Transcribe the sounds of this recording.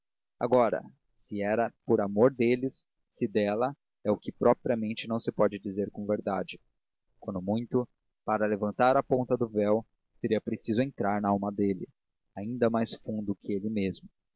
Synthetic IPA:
a̰ɡɔɾɐ̰ | sɪɛɾɐpoɾamoɾd̪elɪsː | ɪd̪ɛlɐ | ɛʊkɪpɾɔpɾiɐmẽnt͡ʃɪnɐ̃w̃sɪpɔd͡ʒɪd͡ʒizeɾkõveɾd̪ad͡ʒɪ | kwɐ̃nd̪ʊmũj̃t̪ʊ | paɾɐlevɐ̃nt̪aɾɐpõnt̪ɐd̪ʊvɛw | seɾiɐpɾesizʊẽnt̪ɾaɾnɐawmɐd̪elɪ̰ | aĩnd̪ɐmajsfũnd̪ʊkɪelɪmezmʊ

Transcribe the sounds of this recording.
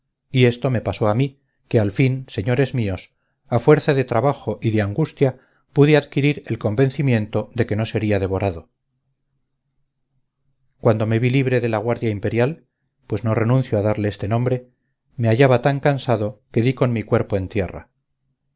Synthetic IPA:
ie̞st̪o̞me̞paso̞ami | ke̞alfinse̞ɲo̞ɾe̞zmio̞s | afwe̞ɾθaðe̞t̪ɾaβaxo̞ʔiðe̞aŋɡust̪ja | puðeaðkiɾiɾe̞lko̞mbe̞nθimjẽ̞nt̪o̞ðe̞ke̞no̞se̞ɾiaðe̞β̞o̞ɾaðo̞ | kwand̪o̞me̞βiliβɾe̞ðe̞laɣ̞waɾðjaimpe̞ɾjal | pwe̞zno̞re̞nũnθjoaðaɾleest̪e̞nõ̞mbɾe̞ | me̞aʝaβat̪aŋkansaðo̞ke̞ðiko̞nmikwe̞ɾpoe̞nt̪je̞ra̰

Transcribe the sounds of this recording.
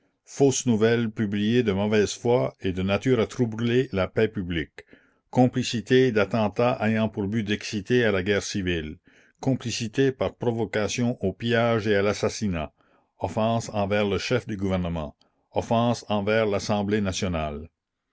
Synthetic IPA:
foːsnuvɛlpyblijed̪əmɔvɛz̥fwaed̪ənat̪yːʁat̪ɾubɾylelapɛpyblikː | ɔ̃plisit̪ed̪at̪ɑ̃t̪aʔejɑ̃puʁbyd̪ɛksit̪ealaɡɛːʁsivil | kɔ̃plisit̪epaʁpɾɔvɔkasjɔ̃ʔopjaʒealasasina | ɔfɑ̃sɑ̃vɛːʁləʃɛfd̪yɡuvɛʁnəmɑ̰̃ | ɔfɑ̃sɑ̃vɛʁlasɑ̃blenasjɔnal

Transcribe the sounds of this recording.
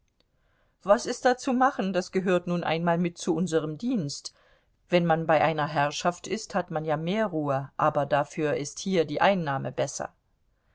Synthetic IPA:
v̥asɪst̚d̥aːt͡sumaχn̩dasɡ̥əɦøːɐtnuːnʔa̰ɪnmaːlmɪt̚t͡suʔʊnzəʁ̞əmdiːnst | v̥ɛnmanbaɪʔaɪnɐɦɛɐʃaftɪsthatmanjaːmeːɐʁuːəʔaːbɐdafyːɐʔɪsthiːɐdiːʔaɪnːaːmə̰bɛsɐ̰

